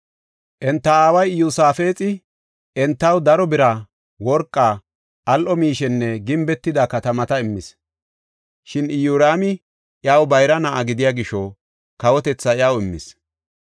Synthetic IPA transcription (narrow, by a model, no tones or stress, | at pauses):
ʔɛnt̪ːɐaːwɐjjusaːfe̞ːt͡sʼɪ | ɛnt̪ːɐwd̪ɐɾɔbɪɾɐ | wɔɾkʼːa | ʔɐlʔɔmiːʃɛnːɛɡɪmbɛt̪ːɪd̪ɐkɐt̪ɐmɐt̪ɐɪmːɪs | ʃɪnɪjuːɾaːmɪ | jaːwbɐjɾɐnɐʔaɡɪd̪ɪjaːɡɪʃːɔ | kɐwɔt̪ɛt͡sːɐjawɪmːɪ̰s